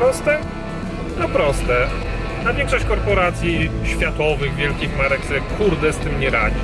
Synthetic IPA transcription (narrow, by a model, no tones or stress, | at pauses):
ɾɔst̪ɛ | t̪ɔpɾɔst̪ɛ | navʲjɛ̃ŋkʂɔɕt͡ɕkɔɾpɔɾat̪sʲjiɕfʲjat̪ɔvɘɣvʲjɛlkʲixmaɾɛkt̪ɾɛkʰuɾd̪ɛst̪ɘmɲɛɾad͡ʑi